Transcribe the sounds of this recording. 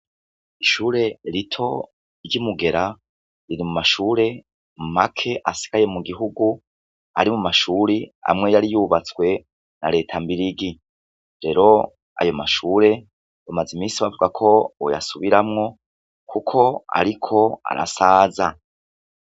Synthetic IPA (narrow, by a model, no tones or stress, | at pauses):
iʃuːɾe̞ɾitʰo̞ | ɾɟimuɡe̞ɾa | ɾiɾimumaʃuɾe̞ | makʰe̞ʔasi̥ɡ̥aje̞muɡiɦuɡu | a̰ɾimumaʃuːɾia̰mŋe̞jaɾijuβat͡swe̞ | na̰ɾe̞ːtʰambiɾiɡi | ɾe̞ɾo̞ | a̰jo̞maʃuːɾe̞ | βamazimiːsiβavuɡakʰo̞o̰ja̰suβiɾamŋo̞ | kʰukʰo̞a̰ɾikʰo̞a̰ɾa̰saːza